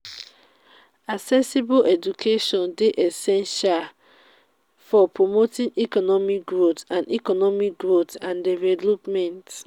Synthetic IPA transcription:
asɛsibolʔɛd͡ʒukʰeʃɔ̃ndeʔɛsɛ̃nʃal | fɔpɹomotĩŋikɔnɔmik̚ɡɹotãnḭkɔnɔmik̚ɡɹotãndɛvɛlopmɛ̃nt

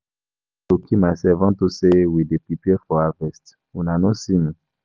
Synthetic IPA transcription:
tokʰimasɛvãntosewidepipiɛfɔavɛst | unanõsĩmĩ

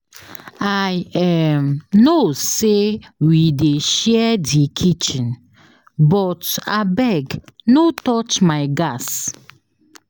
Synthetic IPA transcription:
ajɛmnosewideʃɛdikʰit͡ʃĩn | bɔtabɛɡnotɔt͡ʃmaɪɡas

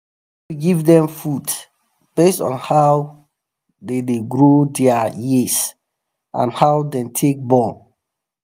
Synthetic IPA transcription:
uɡivdɛ̃mfud | b̥estɔ̰̃nhaw | dedeɡɹodɛajis | ʔã̰nhawdɛ̃mtʰek̚bɔl

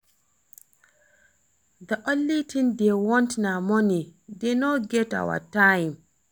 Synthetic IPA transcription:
d̪əʔõnːitʰĩndewɔ̃ntnamɔnidenoɡɛta̰wa̰tajm

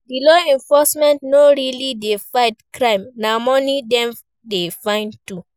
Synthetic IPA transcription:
bilɔɛ̃ɱfɔsmɛ̃ntnoɹilidefaɪtkɹãɪ̃mnamɔnidɛ̃m | defãɪ̃ntu

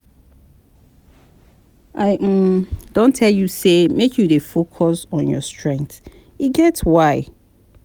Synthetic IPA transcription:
ʔaɪdõntʰɛljusemekʰjudefokʰɔsɔ̃njɔ̰stʰɹɛ̃ŋk̚θ | iɡɛtswaɪ

